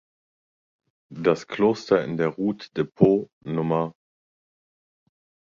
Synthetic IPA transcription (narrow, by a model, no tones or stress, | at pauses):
d̥askl̥oːstɐɪ̰ndeːɐʁuːtd̥epʰoː | nʊmɐ